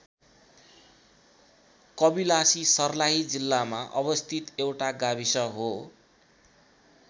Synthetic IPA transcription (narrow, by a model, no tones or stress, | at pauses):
kʌbilasisʌrlaɦid͡zilːamaʔʌbʌst̪ʰit̪ewʈaɡabisʌɦo